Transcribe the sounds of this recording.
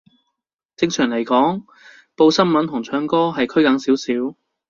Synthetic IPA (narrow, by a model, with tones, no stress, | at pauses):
t͡sɪ˧ŋsʰœː˨˩ŋle˨˩jkɔː˨˥ŋ | po˧wsɐ˥nmɐ˨˥nt̪ʰʊ˨˩ŋt͡ʃʰœː˨˥ŋkɔː˥ɦɐ˨jkʰɵ˥ɥkɐ˨˧˥ŋsiː˨˥wsiː˨˥w